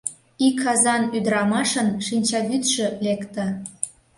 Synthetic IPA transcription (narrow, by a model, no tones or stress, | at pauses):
ikʰːɑzɑnyd̪ɾɑmɑʃənʃinʲt͡ɕɑβyt̪ʃø̆lekt̪ə̆